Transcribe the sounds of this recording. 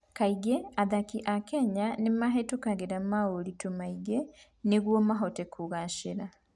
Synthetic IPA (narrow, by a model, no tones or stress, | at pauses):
kaiɡeaðakiʔakɛɲanemaɦetokaɣeɾamaoɾitomaiɡe | neɣwɔmaɦɔtɛkʰuɣaʃeɾa